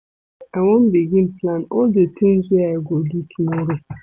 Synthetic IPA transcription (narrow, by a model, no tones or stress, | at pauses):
awɔ̃nbiɡĩnplãnɔldətĩmzwɛaɪɡolitʰumɔɾo